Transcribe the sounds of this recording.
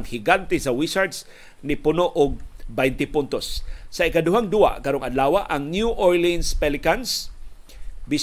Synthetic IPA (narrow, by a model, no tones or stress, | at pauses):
ŋhiɡant̪ɪsawisaɹd̪s | nɪpʊnoʔʊɡ̚bajnt̪ɪpʊnt̪osːaɪkad̪ʊɦaŋd̪ua̰ʔkaɾoŋad̪laːwaʔaŋnjuʔoɹlinspɛlɪkans | bis